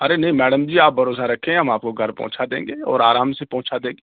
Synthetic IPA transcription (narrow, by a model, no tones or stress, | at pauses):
ɐɾenɐɦĩmɛːɖəmd͡ʒiːaːp̚bɐɾoːsaɾɐkʰẽɦɐmaːp̚koɡʱɐɾpɔ̰̃ɦt͡ʃʰad̪ḛ̃ːŋɡeːɔ̰ːɾaːɾaːmsepɔ̃ɦʊ̃t͡ʃʰad̪ẽːŋɡeː